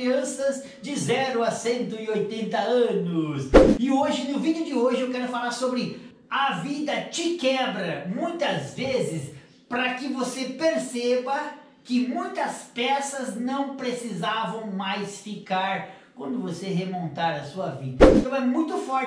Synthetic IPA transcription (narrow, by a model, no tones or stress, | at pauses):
iɐ̃sɐz | d͡ʒɪzɛɾʊɐsẽnt̪ʊɪojt̪ẽnt̪ɐɐ̃nʊsɪoʒɪnʊvid͡ʒɪʊd͡ʒɪoʒɪewkɛɾʊfalaɾsobɾɪ | ɐvid̪ɐt͡ʃɪkɛbɾɐmũj̃t̪ɐzvezɪs | pɾɐkɪvosepeɾsebɐ | kɪmũj̃t̪ɐspɛsɐznɐ̃w̃pɾesizavɐ̃w̃majsfikaɾ | kwɐ̃nd̪ʊvoseɦemõnt̪aɾɐsuɐvid̪ɐ̃t̪ɐ̃w̃ɛmũj̃t̪ʊfɔɾ